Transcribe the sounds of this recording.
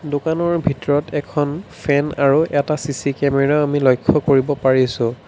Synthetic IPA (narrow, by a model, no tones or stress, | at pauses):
dokanɔɹbʱitɔɹɔtʰɛkʰɔnpʰɛnaɹuʔɛtasisikɛmɛɹaamilojkʰːɔkoɹibɔpaɹisʊ̃